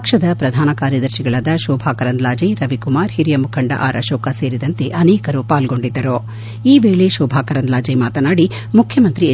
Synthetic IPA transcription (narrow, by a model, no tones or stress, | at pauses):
kʂɐd̪ɐpɾɐd̪ʱaːnɐkaːɾjɐd̪ɐɾʃiɡɐɭɐd̪ɐʃɔːbʱaːkɐɾɐnd̪laːd͡ʒeɾɐʋikumaːɾhiɾijɐmukʰɐɳɖɐ̰ʔa̰ːɾʔɐ̰ʃɔːkɐse̞ːɾid̪ɐnt̪e̞ʔɐnɛːkɐɾuːpaːlɡo̞ɳɖid̪ːɐɾo | iːʋeːɭeʃɔːbʱaːkɐɾɐnd̪laːd͡ʒemaːt̪ɐnaːɽi | mukʰjɐmɐnt̪ɾi